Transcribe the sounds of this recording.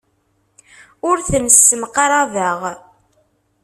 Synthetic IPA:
ʊɾθəmsːəmqɑɾˤaðəʁ

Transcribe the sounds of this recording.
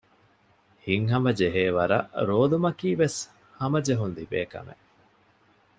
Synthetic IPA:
hiŋɦɐmɐd͡ʒeɦeːʋɐɾɐ̰ʔɾoːlumɐkiːʋes | hɐmɐd͡ʒeɦunlibḛːkɐ̰mḛʔ

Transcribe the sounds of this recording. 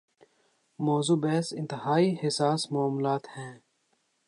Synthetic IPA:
moːzuːbɛːsɪ̃nt̪ɪhaːihɪsaːsmaaːmlaːt̪hɛ̃ː

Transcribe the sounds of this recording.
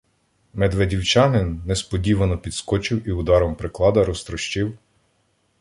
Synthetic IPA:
mɛd̪ʋedʲiwt͡ʃɑnɪnːɛspɔdʲiʋɐnɔpʲid̪skɔt͡ʃɪwiʊd̪ɑɾɔmpɾɪklˠɑd̪ɐɾɔst̪ɾɔʃt͡ʃiw

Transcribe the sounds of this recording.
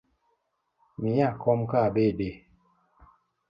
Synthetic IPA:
miakʰɔmkabede

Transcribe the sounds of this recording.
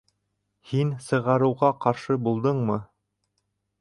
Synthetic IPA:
hinsɤ̆ʁɑɾɤ̆wʁɑqɑɾʃɤbulˠd̪ɤɴmɤ

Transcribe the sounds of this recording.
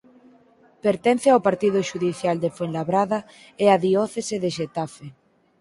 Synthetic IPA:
peɾt̪ɛn̟θeawpaɾt̪iðʊʃuðiθjald̪efenlaβɾaðɐ | eaðiɔθeseðeʃet̪afe

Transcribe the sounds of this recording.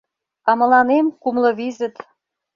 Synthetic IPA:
ɑmɤ̆lɑnemkumlɤ̆βizə̆t̪

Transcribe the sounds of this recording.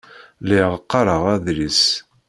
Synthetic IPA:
liʁəqːɑɾˤəʁæðɾis

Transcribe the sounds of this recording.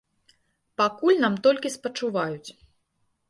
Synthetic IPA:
pakulʲnamt̪ɔlʲkʲispɐt͡ʂuvajut͡sʲ

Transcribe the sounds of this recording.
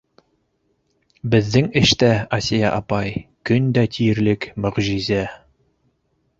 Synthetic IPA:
bɘ̆ðːɘŋɘ̆ʃt̪æɐsʲijɑ̰ʔɑpɑjkɵnd̪æt̪ʰijɘ̆ɾlɘkmŏʁʒizæ

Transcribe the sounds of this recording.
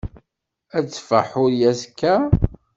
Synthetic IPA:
æt͡sːfə̰ħʊɾjæskːæ

